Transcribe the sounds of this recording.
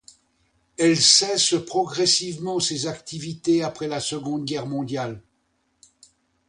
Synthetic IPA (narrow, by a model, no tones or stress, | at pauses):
ɛlsɛsəpχɔɡʁɛsivmɑ̃sezakt̪ivit̪eapχɛlasəɡɔ̃d̪ɡʲɛʁmɔ̃d̪jal